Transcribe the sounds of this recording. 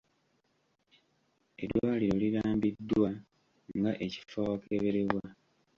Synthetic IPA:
e̞̰dwaːliɾoliɾaːmbid̪ːwa | ŋŋɡaʔeci̥fawake̞βe̞ɾeβwa

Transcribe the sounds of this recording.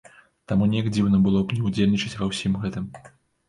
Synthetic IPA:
t̪amunʲɛjakd͡zʲiwnɐbɨlˠɔbnʲɛud͡zʲelʲnʲit͡ʂɐt͡sʲvɐwsʲimɣɛt̪ɨm

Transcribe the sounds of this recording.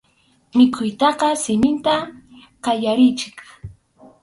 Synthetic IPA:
mɪkʰʊjt̪ɑqɑsɪmɪnt̪a | qɑjaɾɪjt͡ʃɪ̥k

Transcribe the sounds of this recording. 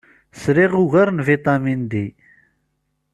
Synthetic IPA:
sɾiʁuɣaɾnvit̪ˤɑmind̪i

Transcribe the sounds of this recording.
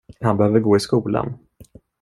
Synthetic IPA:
hanbɛhøːvəɾɡoːɪskuːla̰n

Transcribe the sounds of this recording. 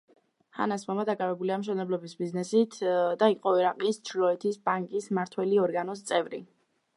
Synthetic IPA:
ha̰nasmamad̪akʼavɛbuliamʃ̬ɛnɛblˠɔbisbiznɛsit̪ʰd̪aiqʼɔɛɾaqʼist͡ʃʰlɔɛt̪ʰisbaŋkʼismaɾt̪ʰwɛliɔɾɡanɔs̬t̪sʼɛvɾḭ

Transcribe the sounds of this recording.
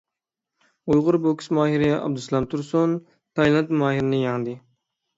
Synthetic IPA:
ujʁʊɾboksmɑːɦiɾɪɛʔɑ̰b̚d̪uslˠɑmt̪ʰuɾsun | t̪ʰɑjlˠɑnt̪mɑːɦiɾɪnɪjɑŋd̪ɪ

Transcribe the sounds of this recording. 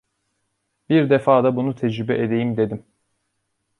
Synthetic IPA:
biɾd̪efaːd̪abunut̪ʰɛd͡ʒɾybɛʔed̪e̞jimd̪e̞d̪im

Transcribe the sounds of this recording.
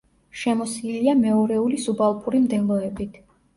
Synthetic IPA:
ʃɛmɔsiliamɛɔɾɛulisubalˠpʼuɾimd̪ɛlˠɔɛbit̪ʰ

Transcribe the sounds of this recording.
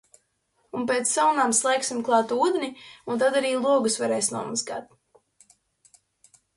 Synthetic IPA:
unpʲeːt̪sːawnaːmslˠɛjksʲimklˠɑːt̪uːd̪nʲiunt̪ad̪aɾiːlˠuɔɡusvaɾɛːjsnuɔmazɡa̰ːt̪̚

